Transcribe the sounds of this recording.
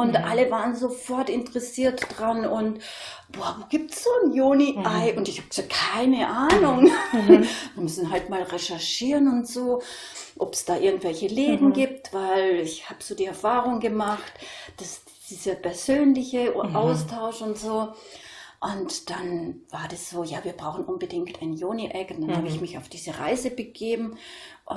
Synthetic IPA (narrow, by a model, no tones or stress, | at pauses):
ʔʊntʔaləvaːʁənzofɔɐtɪntəʁɛsiːɐtd̥ʁanʊnt | b̥ɔːɐvoːɡ̥iːp̚tsz̥oːnjoːniʔaɪʔʊntɪçhaːbt͡sokʰaɪnəʔaːnʊŋ | viːɐmʏsn̩ɦaltmaːlʁɛʃɛɐʃiːʁənʊntz̥oː | ʔɔpsd̥aːʔɪɐɡŋ̩tv̥ɛlçəleːdn̩ɡiːp̚tv̥aɪlɪçhaːb̥əz̥oːdiːɛɐfaːʁʊŋɡəmaχtd̥asd̥d̥iːz̥ɐpʰɛɐzøːnlɪçəʔaʊstʰaʊʃʊntz̥oː | ʔʊntd̥anvaːɐdasz̥oːjaːviːɐb̥ʁaʊxn̩ʔʊnbədɪŋktaɪnjoːniʔɛkʊntd̥anhaːbəɪçmɪçaʊfd̥iːzəʁa̰ɪzəbəɡ̥eːbm̩ | ʔʊ